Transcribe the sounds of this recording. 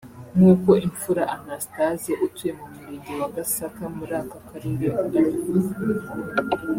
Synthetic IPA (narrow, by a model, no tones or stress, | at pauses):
ŋuːko̞ʔiɱfuɾaʔanastazjeʔutujemumuɾiɡiwaɡasakamuɾaːkakaɾidiakudaɲi